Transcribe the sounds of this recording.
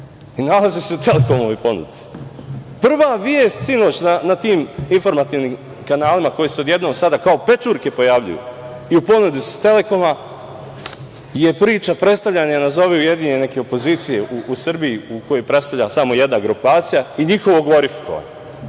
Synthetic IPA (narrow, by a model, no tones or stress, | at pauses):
inalaziseut̪e̞lekomoʋopo̞nṵd̪i̥ | pr̩ʋaːʋjeːst̪ʲsino̞ːt͡ɕnanat̪iːminfo̞ɾmat̪iːʋnim | kanaːlimako̞jiseo̞d̪je̞d̪no̞ːɡsad̪akao̞pe̞t͡ʃuːɾke̞po̞jaʋʎṵjṵ | iupo̞nud̪isu̥t̪e̞le̞ko̞ma | je̞pɾiːt͡ʃapɾe̞t̪st̪aʋʎaɲanazo̞ʋeuje̞d̪iɲene̞ke̞opo̞ziːt̪sije̞ʔuusr̩bijiuko̞jojpɾet̪st̪aʋʎasamo̞je̞d̪naɡɾupaːt̪sijaiɲixo̞ʋo̞ɡlˠo̞ɾifi̥ko̰ʋa̰ɲo